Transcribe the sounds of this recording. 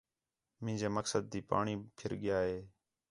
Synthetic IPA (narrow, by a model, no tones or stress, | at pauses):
mɪ̃ːd͡ʒeːməksəd̪̚ːiːpa̰ːɳiːpʰɪɾɠɪjaːɦeː